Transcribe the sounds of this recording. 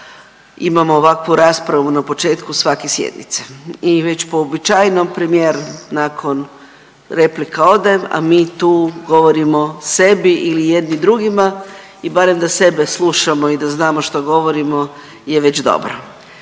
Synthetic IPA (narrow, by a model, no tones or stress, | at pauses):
imamoːʋakʋuɾaːspɾaʋunapo̞t͡ʃe̞ːt̪kusʋakesjḛd̪nḭt̪se̥iʋe̞t͡ɕpoːbit͡ʃajnompɾemijeːɾnakʰo̞n | ɾe̞plikao̞d̪ama̰miːt̪uːɡo̞ʋo̞ɾimo̞se̞biʔilijed̪nid̪ɾuɡima | ibaɾe̞md̪ase̞be̞slˠuʃamo̞id̪aznaːmoʃt̪oɡo̞ʋo̞ɾimo̞ | je̞ʋe̞t͡ɕd̪o̞̰bɾo